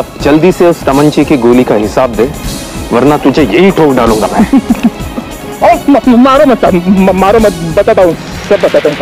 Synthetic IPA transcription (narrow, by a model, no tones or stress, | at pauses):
ɐpd͡ʒɐld̪iseʊst̪ɐmə̃ɲt͡ʃikeɡoːlikaɦɪsaːb̚d̪ẽː | ʋɐɾnat̪ʊd͡ʒʱejɐɦiʈʰoːkɖaːlũːŋɡamɛ̃ | emɐmaːɾomɐt̪sammaːɾomɐt̪bɐt̪at̪aũ | sɐbːɐt̪aːt̪aũ